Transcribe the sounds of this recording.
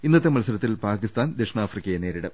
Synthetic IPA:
inːɐt̪ːemɐlsɐɾɐt̪ːilpaːkist̪aːnd̪ekʂɳaːfrikʲːɐjeneːɾiɽɐ

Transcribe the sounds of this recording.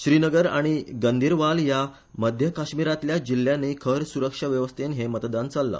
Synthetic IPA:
ɕɾinəɡəɾa̰ɽ̃iɡənd̪ʱiːɾʋalja | məd̪ʱjəkaɕmiɾat̪ljad͡ʑilːjãnːeːkʰəɾsuɾəkʂaʋjəʋəst̪ʰenɦemət̪d̪ant͡salːə̰

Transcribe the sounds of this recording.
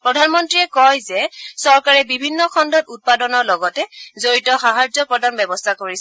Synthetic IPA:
pɹɔdʱanmɔntɹiɛkɔjzɛsɔɹkaɹɛbibʱinːɔxʰɔndɔtut̚padɔnɔɹlɔɡɔtɛzoɹitɔxaɦazɔpɹɔdʱanbɛbɔstʰakoɹis

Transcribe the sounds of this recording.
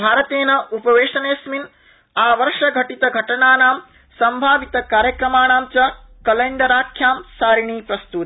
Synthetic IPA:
bʱaːɾɐt̪eːnɐʔupɐʋeːʂɐneːsmin | aːʋɐɾʂɐɡʱɐʈit̪ɐɡʱɐʈɐɳaːnaːm | sɐmbʱaːʋit̪ɐkaːɾjɐkɾɐmaːɳaːmt͡ʃɐ | kɐlɐjnɖ̪ɐɾaːkʰːjaːmsaːɾiɳ̃iːpɾɐst̪ut̪i

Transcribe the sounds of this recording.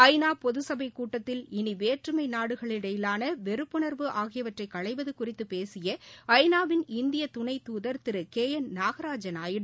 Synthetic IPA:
ɐɪnaːpɔðɯsɐbɐɪkːuːʈːɐt̪ːɪlɪniʋeːʈrɯmɐɪnaːɽɯɣɐɭɪɽɐjɪlaːnɐʋɛɾɯpːɯɳɐɾʋɯʔaːɣɪjɐʋɐʈrɐɪkːɐɭɐɪʋɐðɯkʊrɪt̪ːɯpeːsɪjɐɐɪnaːʋɪnɪnd̪ɪjɐt̪ʊɳɐɪt̪uːðɐɾt̪ɪɾɯkeːjɐnnaːɣɐɾaːd͡ʒɐnaːjɪɽ

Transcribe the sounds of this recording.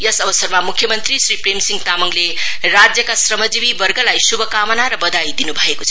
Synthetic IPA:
jʌsʌbʌsʌrmamukʰjʌmʌnt̪risɾipremsiŋɡt̪amuŋlerad͡zjʌkasrʌmʌd͡zibibʌrɡʌlajsubʱʌkamʌnaɾʌbʌd̪ajd̪inubʱʌekot͡sʰʌ

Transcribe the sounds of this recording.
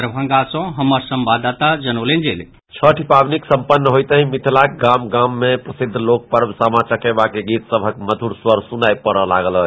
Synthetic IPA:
ɾbʱə̃ŋɡasə̃ɦəməɾsəmbad̪at̪ad͡ʒənolend͡ʒel | t͡ʃʰəʈʰipabniksə̃mpənːəɦojt̪əɦĩmit̪ʰlak̚ɡamɡamːepɾəsid̪ʱːlok̚pəɾbsamat͡ʃəkɛbakeɡit̪səbʱəkməd̪ʱuɾswəɾsunajpəɾɔla̰ɡələ

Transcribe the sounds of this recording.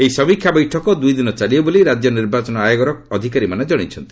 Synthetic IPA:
ejsɔbikʰːjabɔjʈʰɔkɔd̪ujd̪inɔt͡ʃaliɔboliɾad͡ʒjɔniɾbat͡ʃɔnɔajɔɡɔɾɔkɔd̪ʱikaɾimaned͡ʒɔɽ̃it͡ʃʰɔnt̪i̥

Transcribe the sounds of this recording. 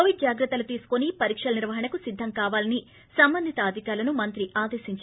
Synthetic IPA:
oʋiɖ̚d͡ʒaːɡɾɐt̪ːɐlut̪iːsu̥konipɐɾiːkʂɐlɐniɾʋɐɦɐɳɐkusid̪ʱːɐmkaːʋaːlɐni | sɐmbɐnd̪ʱit̪ɐaːd̪ʱikaːɾlɐnumɐnt̪ɾiʔaːd̪eːʃiɲt͡ʃ

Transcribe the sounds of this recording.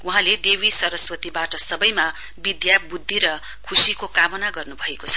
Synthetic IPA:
uɦãled̪ewisʌɾʌswʌt̪ibaʈʌsʌbʌjma | bid̪jabud̪ʱːiɾʌ | kʰusikokamʌnaɡʌrnubʱʌekot͡sʰʌ̥

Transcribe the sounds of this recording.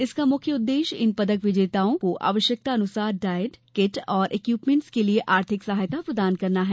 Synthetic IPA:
ɪskamʊkʰjəʊd̪ːeːʃɪ̰npɐd̪əkʋɪd͡ʒeːt̪aːõkoʔa̰ːʋəʃjək̚t̪aɐnʊsaːɾɖaːjəʈkɪʈɔːɾʔeːkjuːpmẽɳʈskelieʔaːɾt̪ʰɪksɐɦaːjt̪apɾɐd̪aːnkɐɾnaɦɛː

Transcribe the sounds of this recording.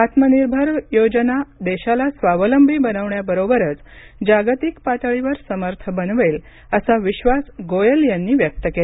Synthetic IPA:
at̪məniɾbʱəɾjod͡ʑənad̪eɕalasʋaʋələmbʱiːbənəʋɳjabəɾobəɾət͡s | d͡ʑaɡt̪ikpat̪əɭiʋəɾsəməɾt̪ʰəbənʋel | əsaʋiɕʋasɡojəljanːiːʋjək̚t̪əkele

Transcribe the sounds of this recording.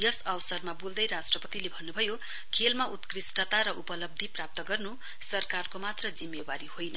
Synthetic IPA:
jʌsʌwsʌrmabold̪ʌjɾasʈrʌpʌt̪ilebʱʌnːubʱʌjo | kʰelmaʔut̪krisʈʌt̪aɾʌʔupʌlʌb̚d̪ʱiprap̚t̪ʌɡʌrnu | sʌrkarkomat̪rʌd͡zimːebaɾihojnʌ

